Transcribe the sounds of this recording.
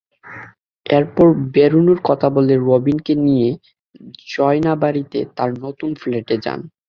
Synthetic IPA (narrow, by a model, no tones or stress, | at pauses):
eɾpɔɾbeɾunoɾkɔt̪ʰaboleɾobinkenije | d͡ʑɔenabaɾit̪et̪aɾnot̪unfleʈed͡ʑa̰n